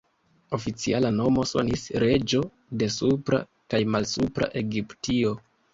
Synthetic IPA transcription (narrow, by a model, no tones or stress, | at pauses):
o̞fit͡sialano̞mo̞so̞̰nisɾe̞d͡ʒo̞ | de̞supɾa̰ | kajmalsupɾa̰ʔe̞ɡiptio̞